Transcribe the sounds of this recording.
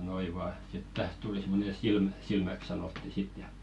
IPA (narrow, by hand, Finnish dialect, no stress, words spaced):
noi ʋɑː sit tæht tuli simˑone silmæ silmæk sɑnotːi sit jɑ